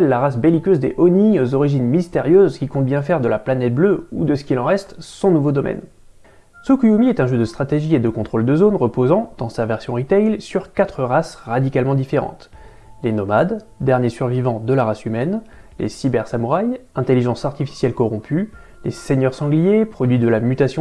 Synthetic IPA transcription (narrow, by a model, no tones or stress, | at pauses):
ɛlːaʁas̬belikʲøzd̪eʔɔniozɔʁiʒinmist̪eʁjøzkʲikɔ̃t̪̚bjɛ̃fɛʁd̪əlaplanɛt̪̚bløud̪əsə̥kʲilɑ̃ʁɛst̪sɔ̃nuvod̪ɔmʔɛ̰n | sukuumiɛt̪ɛ̃ʒød̪əst̪χat̪eʒied̪əkɔ̃t̪χold̪əzonʁəpozɑ̃d̪̥ɑ̃savɛʁsjɔ̃ʁit̪ɛjlsyʁkat̪χəʁasʁad̪ikalmɑ̃d̪ifeʁɑ̰̃t̪ | lenɔmad̪ː | ɛʁnjesyʁvivɑ̃d̪əlaʁasymɛn | lʔḛsibɛʁsamuʁajɛ̃t̪eliʒɑ̃saʁt̪ifi̥sjɛlkɔʁɔ̃pʰy | leseɲœʁsɑ̃ɡlijepχɔd̪ɥid̪əlamyt̪asjɔ̃